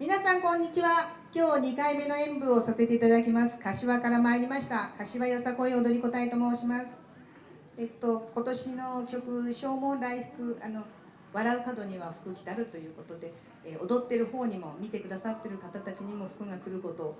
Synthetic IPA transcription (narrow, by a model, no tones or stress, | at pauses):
mʲinasãŋkõ̞ɲ̟ːit͡ɕiβa | kʲo̞ːɲ̟ikaime̞no̞ẽ̞mbɯ̟o̞sase̞t̪e̞it̪ad̪akʲimasɨ̥kaɕiβakaɾamaːɾʲimaɕi̥t̪akaɕiβajosako̞io̞d̪o̞ɾʲiko̞t̪aet̪omoːɕimasɨ̥ | et̪ːo̞ko̞t̪o̞ɕino̞kʲo̞kɯ̟ɕo̞ːmõ̞nɾaiɸɯ̟̥kɯ̟ano̞ | βaɾaɯ̟kad̪o̞ɲ̟iβaɸɯ̟̥kɯ̟kʲi̥t̪aɾɯ̟t̪o̞jɯ̟ːko̞t̪o̞d̪e̞ | ʔo̞d̪o̞t̪ːe̞ɾɯ̟ho̞ːɲ̟imo̞mʲit̪e̞kɯ̟d̪asat̪ːe̞ɾɯ̟kat̪at̪at͡ɕiɲ̟imo̞ɸɯ̥kɯ̟ŋakɯ̟ɾɯ̟ko̞t̪o̞